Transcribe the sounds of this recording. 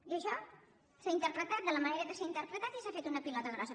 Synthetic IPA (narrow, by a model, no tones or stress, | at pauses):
iəʃɔ | saint̪əɾpɾət̪at̪̚d̪ələməneɾəðəseɾint̪əɾpɾət̪at̪isafet̪unəpilɔt̪əɣɾɔsə